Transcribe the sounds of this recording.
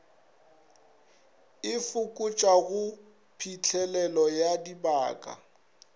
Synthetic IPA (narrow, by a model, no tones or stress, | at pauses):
ɪfʊkʼʊt͡ʃʼaɣʊ | pʰit͡ɬʰɛlɛlɔjadibaːkʼa̰